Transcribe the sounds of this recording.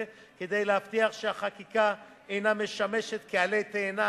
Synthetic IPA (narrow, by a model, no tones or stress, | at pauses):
ke̞d̪ejlehaft̪iaχʃeaχakika | ejname̞ʃameʃet̪kealejt̪eːna